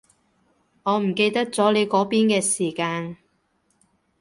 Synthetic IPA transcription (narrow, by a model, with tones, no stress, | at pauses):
ŋɔː˨˧m̩˨˩ke˧jt̪ɐ˥k̚t͡sɔː˨˥le˨˧jkɔː˨˥piː˥nkɛː˧siː˨˩kaː˧n